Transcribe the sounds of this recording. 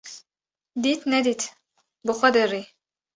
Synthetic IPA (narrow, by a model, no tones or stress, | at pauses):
d̪it̪ʰnɛd̪it̪ʰ | buχɔd̪ɛɾi